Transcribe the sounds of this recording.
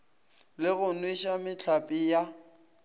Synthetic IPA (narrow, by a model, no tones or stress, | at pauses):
lɪɣʊnwiʃamɪt͡ɬʰapʼija